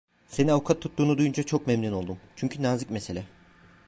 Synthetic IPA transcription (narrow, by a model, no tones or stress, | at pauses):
se̞ninavukʰat̪ʰːut̪ːuːnud̪ujund͡ʒat͡ʃʰo̞k̚memnuno̞lˠd̪umt͡ʃʰyɲcʰynaːzɯkmese̞lʲɛ